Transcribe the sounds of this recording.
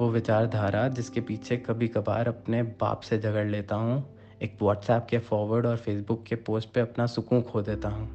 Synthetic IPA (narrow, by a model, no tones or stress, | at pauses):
ʋoʋɪt͡ʃaːɾd̪ʱaːɾad͡ʒɪskepiːt͡ʃʰekɐbʱikɐba̰ːɾɐpneba̰ːpsed͡ʒʱɐɡəɽleːt̪aɦũ | eːkʋɔːʈsɛːp̚kefɔːɾʋəɾɖɔːɾfeːs̬bʊkːepoːsʈ̚peɐpnasʊkũkʰoːd̪eːt̪aɦũː